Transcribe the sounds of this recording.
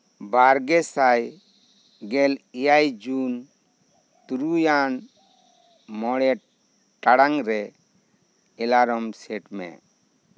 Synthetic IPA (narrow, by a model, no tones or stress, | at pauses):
baɾɡɛsaj | ɡɛlijajd͡ʒun | t̪uɾujan | mɔɽɛʈ̚ | ʈaɽaŋɾɛ | ɛlaɾɔmsɛʈmɛ̰